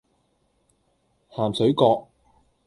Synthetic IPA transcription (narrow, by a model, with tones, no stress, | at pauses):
haː˨˩msɵ˨˥ɥkɔː˧k̚